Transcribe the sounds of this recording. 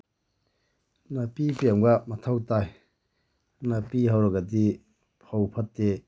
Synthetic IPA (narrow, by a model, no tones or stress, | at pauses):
napipiamɡamɐtʰawtaj | napiɦawɾɐɡɐdi | pʰawpʰɐtːe